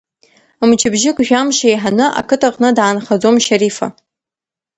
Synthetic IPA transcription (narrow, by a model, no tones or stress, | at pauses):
mt͡ʃʰɪbʒɪkʷʼʒᶣamʃaejħanɨʔa̰kʰɨtʰaqʼnɨdaːnχad͡zomʃaɾifa̰